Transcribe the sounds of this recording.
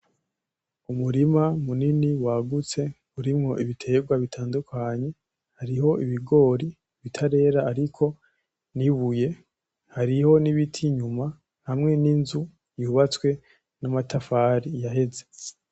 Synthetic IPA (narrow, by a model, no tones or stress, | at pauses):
umuɾimamuniniwaɡut͡se̞ | uɾimŋo̞ʔiβitʰe̞ːɡwaβitʰaːndukʰaɲe̞ | haɾiho̞iβiɡo̞ːɾi | βitʰaɾe̞ːɾaːɾikʰo̞ | niβuje̞ | haɾiho̞niβitʰiɲuma | hamŋe̞ninzu | juːβat͡swe̞ | namatafaɾijahe̞ze̞